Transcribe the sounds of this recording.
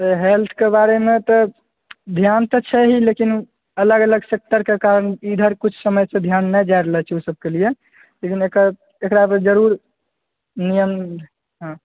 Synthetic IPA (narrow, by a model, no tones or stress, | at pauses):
t̪əɦelt̪ʰkebaɾemet̪ɔ | d̪ʱjant̪ɔt͡ʃʰɛɦilekin | ələɡələɡsek̚t̪əɾkekaɾənid̪ʱəɾkut͡ʃʰsəməjsẽd̪ʱjanːɛd͡ʒajɾəɦɛt͡ʃʰɛusəb̚kelije | lekinekə | ekɾapd͡ʒəɾuɾ | nijəm | ɦã